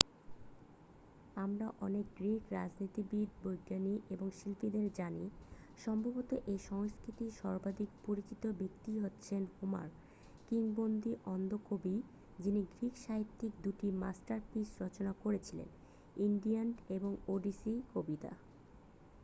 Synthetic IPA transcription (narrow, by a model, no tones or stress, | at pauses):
amɾaʔɔnek̚ɡɾikɾa̰d͡ʑnit̪ibid̪̚ʱbojɡːaniʔeboŋʃilpid̪eɾd͡ʑani | ʃɔmbʱabot̪oʔeʃɔŋskɾit̪iʃɔɾbad̪ikpoɾit͡ɕit̪obek̚t̪iɦotːɕʰenhuma̰ɾ | kiŋbond̪iʔɔnd̪okobi | d͡ʑiniɡɾikʃaɦit̪ːikd̪uʈima̰sʈaɾpisɾɔt͡ɕonakoɾet͡ɕʰilḛn | inɖianʈeboŋoɖisikobit̪a̰